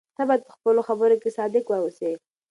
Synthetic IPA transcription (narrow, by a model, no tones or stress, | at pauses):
t̪abɑjad̪̚pə̥xpəloxabəɾokesɑd̪ɪkwause